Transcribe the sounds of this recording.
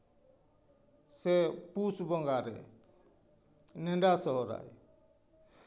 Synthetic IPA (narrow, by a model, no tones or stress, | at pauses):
sɛpusbɔŋɡaɾɛ̰ | nɛɳɖasɔɦɔɾa̰j